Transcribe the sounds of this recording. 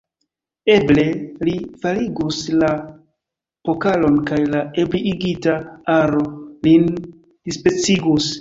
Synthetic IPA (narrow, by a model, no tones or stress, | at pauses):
e̞ble̞lifaliɡusla | po̞kalo̞nkajlaebliiɡitaaɾo̞lin | d̥ispe̞t͡siɡus